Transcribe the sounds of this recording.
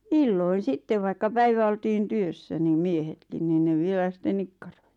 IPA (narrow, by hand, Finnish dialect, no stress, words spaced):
ilːoin sitːeʋ ʋɑikːɑ pæiʋæ oltiːn tyøsːæ nim miehetkin nin ne ʋielæ sĭtˑen nikːɑ̥r̥o̥i̥